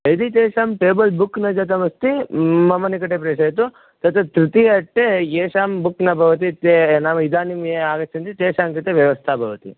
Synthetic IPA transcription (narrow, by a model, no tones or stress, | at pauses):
ɐd̪it̪eːʂaːmʈeːbɐlbukːnɐd͡ʒɐt̪ɐmɐst̪imɐmɐnikɐʈepɾeːʂɐːjt̪u | t̪ɐt̪ʰɐt̪ɾut̪iɐʈːejeːʂaːmbukːnɐbʱɐʋɐt̪̬it̪enaʋɐid̪aːnimjeaːɡɐt͡ʃːɐnt̪it̪eːʂaːmkɐt̪eʋjɐʋɐst̪ʰaːbʱɐʋɐt̪ḭ